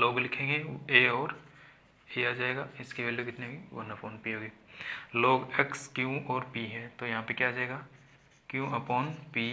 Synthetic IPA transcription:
loːɡlɪkʰẽːŋɡeeːɔːɾ | eːaːd͡ʒaːeːɡaːɪskebɐlekɪt̪nebʱiʋɐ̰nɐpoːnpiɦoːɡeːloːɡɛkskjũɔːɾpiɦɛ̃t̪ojɐɦãpekjaːd͡ʒaːeːɡa | kjũɐpɔːnpiː

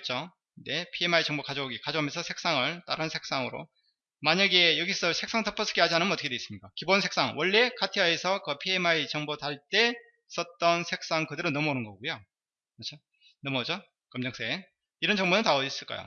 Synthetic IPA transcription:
t͡ɕ͈o | ne̞pʰiemait͡ɕʌŋbokad͡ʑoɡikad͡ʑoɦamjʌnsʰʌsʰe̞k̚s͈aŋɯɭt͈a̰ɾɯnsʰe̞k̚s͈aŋɯɾo̰ | maɲaɡe̞jʌɡisʰʌsʰek̚s͈aŋtʰʌpʰʌsʰɯ̥keɦad͡ʑianɯnmʌtʰɯkedweis͈ɯmɲik͈akibonsʰe̞k̚s͈aŋwʌɭːe̞kʰatʰiaesʰʌkɯpʰiemait͡ɕʌŋbotaɭt͈e̞ | s͈ʌt̚t͈ʌnsʰe̞k̚s͈aŋkɯdɯɾɯnːʌmʌonɯnɡʌɡujo | mat͡ɕʰo | nʌmʌd͡ʑo | kʌmɲʌŋsʰee | iɾʌnt͡ɕʌŋbonɯntaʌis͈ɯɭk͈a̰jo̰

